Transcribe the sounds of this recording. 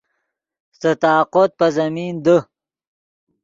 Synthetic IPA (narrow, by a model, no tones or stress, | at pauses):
st̪ət̪ɑːqot̪̚pɐzɐmiːnd̪ə